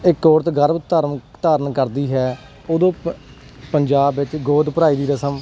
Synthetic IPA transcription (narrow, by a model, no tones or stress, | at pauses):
ɪkoːɾt̪ɡəɾbt̪ːaːɾmt̪aːɾənkəɾd̪iːɦɛː | oːd̪õː | pəɲd͡ʒaːbʋɪt͡ʃɡoːd̪pəɾaːiːd̪iːɾəsəm